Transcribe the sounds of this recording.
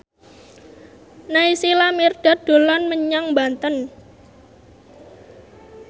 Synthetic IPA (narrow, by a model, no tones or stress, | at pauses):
naisilamird̥a̤d̪̥o̤lanməɲaŋmbant̪ən